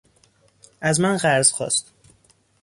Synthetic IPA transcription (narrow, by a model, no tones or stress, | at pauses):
ʔæzmænɢæɾz̥xɒ̰ːst̪